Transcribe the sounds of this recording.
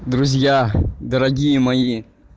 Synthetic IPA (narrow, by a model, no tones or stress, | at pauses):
d̪ɾuzijad̪aɾaɡʲijmaji